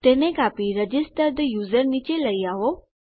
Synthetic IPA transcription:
t̪eːnẽkaːpiɾəd͡ʑɪsʈəɾd̪əjuːzəɾnit͡ɕeləiaɦo

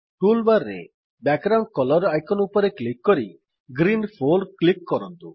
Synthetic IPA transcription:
ʈulbaɾːḛ | bɛɡɡɾawɳʈ̚kɔlɔɾajkʰɔnupɔɾeklikːɔɾi | ɡɾinpʰolɖklikːɔɾɔnt̪u

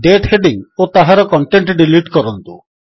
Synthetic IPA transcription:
ɖeʈheɖiŋot̪aɦaɾɔkɔɳʈeɳʈɖiliʈkɔɾɔnt̪ṵ

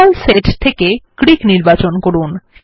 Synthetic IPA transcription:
alseʈt̪ʰekekɾikniɾbat͡ɕonkoɾun

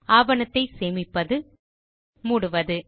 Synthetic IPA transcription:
aːʋɐnɐt̪ːɐɪseːmɪpːɐðɯ | muːɽɯʋɐðɯ

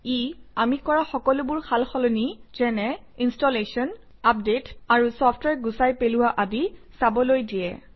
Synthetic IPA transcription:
iamikɔɹaxɔkɔlʊbʊɹxʰalxɔlɔniz̥ɛnɛinstɔlesɔn | ap̚detaɹusɔpʰtwɛɹɡusajpelʊwaʔadisabɔlojdijɛ̰

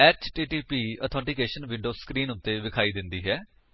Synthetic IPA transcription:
ɛːt͡ʃʈiːʈiːpiːət̪ʰɔ̃ːɳʈɪkeːʃənʋɪ̃ɳɖoːskɾiːnʊt̪ːeːʋɪkʰaːiːd̪ɪnd̪iːɦɛː

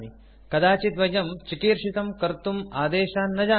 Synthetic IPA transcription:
ni | kɐd̪aːt͡ʃit̪ʋɐjɐmt͡ʃikiːɾʃit̪ɐmkɐɾt̪umaːd̪eːʃaːnːɐd͡ʒaː

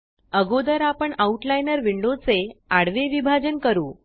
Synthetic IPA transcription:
əɡod̪əɾapəɳauʈlajnəɾʋiɳɖot͡seaɽʋeʋibʱad͡ʑənkəɾuː

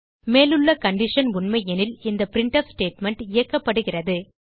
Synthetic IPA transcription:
meːlɯɭːɐkɐɳɖɪʂɐnʊɳmɐɪjɛnɪlɪnd̪ɐpɪɾɪɳʈɐfsʈeːʈmɛɳʈɪjɐkːɐpːɐɽɯɣɪrɐðɯ

